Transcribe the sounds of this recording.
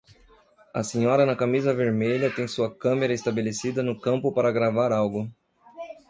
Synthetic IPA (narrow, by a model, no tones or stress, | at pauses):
ɐsĩɲɔɾɐnɐkamizɐveɾmeʎɐt̪ẽj̃suɐkɐ̃meɾɐest̪abelesid̪ɐnʊkɐ̃mpʊpaɾɐɡɾavaɾawɡʊ